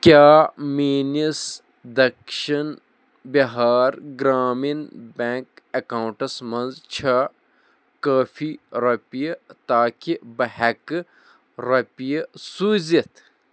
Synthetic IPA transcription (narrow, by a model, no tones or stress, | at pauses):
kʲjaːmiːnis | d̪ɐkʃɐn | bɐɦaːɾɡɾaːminbʲẽːŋkɐkaːwɳʈɐsmɐnzt͡ʃʰɐ | kaːfʰiɾɐpijɐt̪aːkibɐhɐk | ɾɐpijɐsuːzit̪ʰ